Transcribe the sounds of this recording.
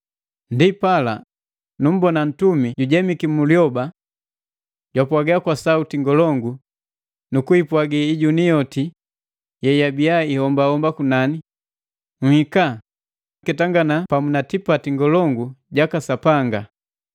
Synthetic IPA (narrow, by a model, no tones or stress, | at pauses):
ndipala̰ | num̩bɔnan̩tumiɟuɟɛmikimuljɔba | ɟwapwaɡɛakwasautiŋɡɔlɔŋɡu | nukuipwaɡiiɟunijɔti | jɛjabiaihɔmbahɔmbakunani | ŋ̩hika | kɛtaŋɡanapamunatipatiŋɡɔlɔŋɡuɟakasapaŋɡa